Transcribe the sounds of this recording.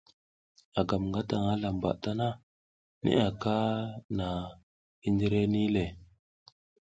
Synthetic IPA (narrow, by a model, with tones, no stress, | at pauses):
a˨ɡa˨mŋɡa˦ta˨ŋa˦la˨mba̰˨ʔta˦na˦ | nḭ˦ʔa˨ka˦na˨ | i˦ndi˦ɾe˦ni˦le˨